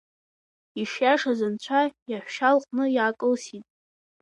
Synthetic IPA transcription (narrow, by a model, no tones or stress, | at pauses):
iʂjaʂazɨnt͡ɕʷʰajaħʷᶣʃalqʼnɨjakʼɨlsitʼ